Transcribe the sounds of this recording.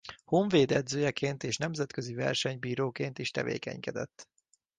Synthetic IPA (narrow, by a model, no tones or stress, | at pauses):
hoɱveːd̪ɛd̪zøːjɛkeːnt̪eːʃnɛmzɛt̪køzivɛ̰rʃɛɲbiːɾoːkeːnt̪iʃt̪ɛ̰vḛːkɛ̰ɲkɛd̪ɛ̰t̪ː